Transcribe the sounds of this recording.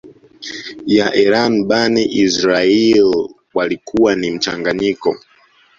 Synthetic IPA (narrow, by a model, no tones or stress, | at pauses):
jaʔɛɾanɓaniʔizɾail | walikʰuwanim̩t͡ʃaŋɡaɲikɔ